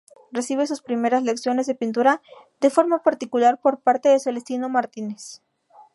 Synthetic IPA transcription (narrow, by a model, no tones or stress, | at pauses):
re̞siβ̞e̞suspɾime̞ɾazle̞ksjo̞ne̞zðe̞pint̪uɾa | d̪e̞fo̞ɾmapaɾt̪ikulaɾpo̞ɾpaɾt̪eðesoelest̪ino̞maɾt̪ines